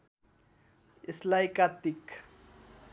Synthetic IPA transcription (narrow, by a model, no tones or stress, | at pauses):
ɪslajkat̪ɪk